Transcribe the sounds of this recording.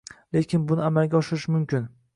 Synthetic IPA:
le̞kʲʰɪnbʊnɪamalɡʲaɒʃɪɾɪʃmʊmkʲɪn

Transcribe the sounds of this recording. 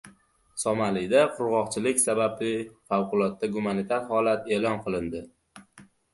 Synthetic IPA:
sɒmalɪd̪aqʰʊɾʁɒqt͡ʃʰɪlɪkʲsabablɪfawqʊlˠɒt̪ːaɡumanit̪ʰaɾhɒlat̪e̞ːlɒnqʰɨlˠɪnd̪ɪ

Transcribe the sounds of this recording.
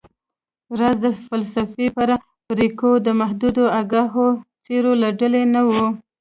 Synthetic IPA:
ɾazd̪əfalsafepaɾa | pɾikod̪əmaɦd̪ud̪oaɡaɦot͡seɾolaɖalenawu

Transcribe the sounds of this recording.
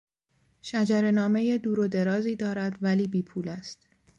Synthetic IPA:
ʃæd͡ʒæɾe̞nɒːme̞jed̪uːɾo̞d̪e̞ɾɒːziːd̪ɒːɾæd̪væliːbiːpʰuːlæst̪

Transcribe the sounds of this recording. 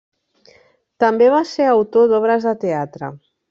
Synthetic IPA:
t̪əmbeβaseɾəwt̪oðɔβɾəzðət̪eat̪ɾə̰

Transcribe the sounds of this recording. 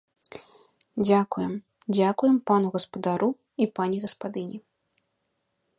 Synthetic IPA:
d͡zʲakujɛm | d͡zʲakujɛmpanuɣɐspɐd̪aɾu | ipanʲiɣɐspad̪ɨnʲi

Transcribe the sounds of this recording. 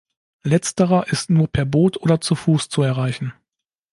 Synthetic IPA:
lɛt͡stəʁɐʔɪstnuːɐpʰɛːɐboːtʰʔoːdɐt͡sufuːst͡suɛɐʁaɪçn̩

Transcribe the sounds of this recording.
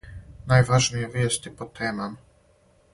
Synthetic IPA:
najʋaʒnijeʋjeːst̪ipot̪ʰeːmam

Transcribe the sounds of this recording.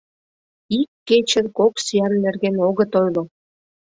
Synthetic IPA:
ikːet͡ɕə̆nkoksijɑnːerɣenoɣə̆t̪ojlo

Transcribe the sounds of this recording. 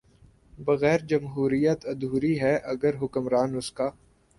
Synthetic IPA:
bɐɣɛːɾd͡ʒɐmɦuːɾijət̪ɐd̪uːɾiɦɛʔɐɡəɾɦʊkəmɾaːnʊskaː

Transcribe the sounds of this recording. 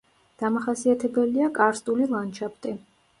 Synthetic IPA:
d̪̥amaχasiat̪ʰɛbɛliakʼaɾst̪ʼulilˠant͡ʃʰap̚ʰt̪ʼi

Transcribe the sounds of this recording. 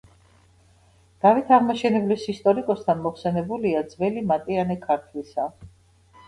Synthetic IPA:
d̪̥avit̪ʰaʁmaʃɛnɛblisist̪ʼɔɾikʼɔst̪ʰanmɔχsɛnɛbuliad̪zvɛlimat̪ʼianɛkʰaɾt̪ʰlisa

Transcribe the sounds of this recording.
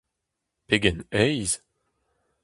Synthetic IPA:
peɡɛnɛjz

